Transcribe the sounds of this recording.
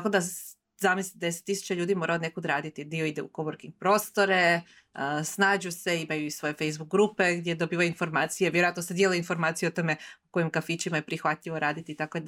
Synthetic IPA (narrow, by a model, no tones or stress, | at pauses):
akod̪a | zamislit̪d̪ese̥t̪ːisu̥t͡ɕaʎuːd̪imo̞ɾaone̞kod̪ɾaːd̪it̪id̪io̞id̪eṵkoboɾkiŋ̚pɾo̞ːst̪o̞ɾe̞ | snaːd͡ʑuse̞imajuisʋo̞je̞fejzbukɡɾupe̞ɡd̪jed̪obiːʋajuinfo̞ɾmaːt̪sijeʋjeɾoat̪nosed̪jeleinfo̞ɾmaːt̪sijuot̪o̞me̞uko̞jimkafit͡ɕimaje̞pɾixʋat̪ʎʲiʋo̞ɾaːd̪it̪iːt̪ako